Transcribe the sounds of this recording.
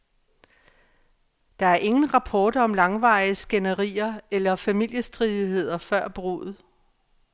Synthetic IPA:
d̥ɑ̈æɐʔe̝ŋn̩ʁɑ̈pʰɒːd̥ɒ̽mlɑ̈ŋʋɑ̈ɪsɡ̥enəʁḭːɐelɐfæmil̰jəsd̥ʁiðˠiɦe̝ð̞̰ˠɐfɶɐ̰b̥ʁo̰ð̞̩ˠ

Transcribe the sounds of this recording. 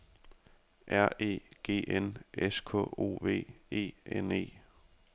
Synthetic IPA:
ʔæɐ̰e̝̰ːɡ̥e̝̰ːʔeneskʰɔ̰o̝̰ːʋe̝̰ːe̝̰ːene̝̰ː

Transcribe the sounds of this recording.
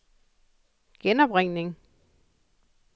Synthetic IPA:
ɡ̥enɒb̥ʁeŋ̰ne̝ŋ

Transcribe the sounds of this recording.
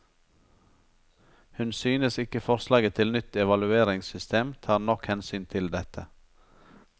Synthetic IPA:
hʉnsyːnəsɪkəfɔɾslɑːɡət̪ʰɪlnʏt̪ɛʋɑlʉeːɾɪŋsʏst̪ʰeːmt̪ʰɑːɾnɔkhɛnsyːnt̪ʰɪld̪ɛt̪ʰə

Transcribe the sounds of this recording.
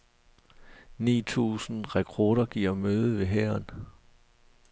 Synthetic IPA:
nḭːt͡sʰṵːsn̩ʁɛkʰɔːɾ̥ɐɡ̥iːɐ̰møːð̞ˠəʋe̝ɦæɐn

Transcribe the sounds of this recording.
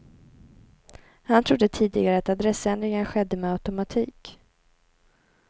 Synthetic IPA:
hant̪ʰɾʊd̪ːət̪ʰiːd̪ɪɡaɾəat̪ad̪ɾɛsːɛnd̪ɾɪŋənɧɛd̪ːəmɛat̪ʊmat̪ʰiːk

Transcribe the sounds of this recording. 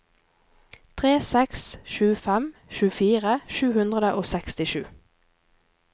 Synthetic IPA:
t̪ʰʁeːsɛksʃʉːfɛmʃʉːfiːʁəʃʉːhʉnd̪ʁəd̪əʔoːsɛkst̪ɪʃʉː

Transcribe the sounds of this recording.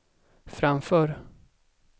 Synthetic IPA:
fɾamfœːɾ

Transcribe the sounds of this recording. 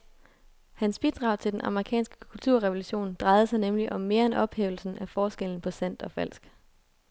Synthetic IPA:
hænsb̥id̥ʁɑ̈ʊt͡sʰe̝ld̥enʔɑ̈məʁikʰɛ̰ːnsɡ̥ə̥kʰult͡sʰuɐ̰ʁɛʋo̝luɕo̝̰ːnd̥ʁɑ̈ɪð̩ˠəsɑ̈ɪnemliʔɒ̽mːe̝ːɐenɒ̽b̥hḛːʊl̩sn̩æfɒːsɡ̥eln̩pʰɒ̽sæn̰d̥ɒ̽fæl̰sɡ̥

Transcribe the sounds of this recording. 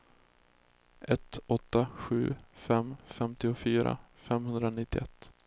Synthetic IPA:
ʔɛt̪ɔt̪ːaɧʉ̟ːfɛmːfɛmt̪ɪʊfyːɾa̰ | fɛmhɵnd̪ɾanɪt̪ːɪʔɛt̪ː

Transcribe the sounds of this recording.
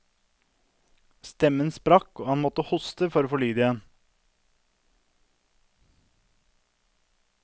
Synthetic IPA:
st̪ɛmənspɾɑkoːhɑnmɔt̪əhʊst̪əfɔɾoːfɔɭyːd̪əɛn

